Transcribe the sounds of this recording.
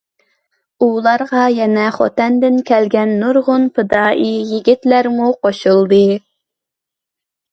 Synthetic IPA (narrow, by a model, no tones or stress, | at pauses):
ulˠɑɾʁɑjɛnɛχɔ̰t̪ɛnd̪ɪnkʲʰɛlɡʲɛnːuɾʁʊnpʰɨd̪ɑːʔijiɡʲit̪læɾmuqoʃɨlˠd̪ɨ